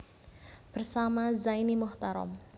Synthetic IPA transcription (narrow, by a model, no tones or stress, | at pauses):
b̥ərsamazainimɔht̪aɾɔ̰m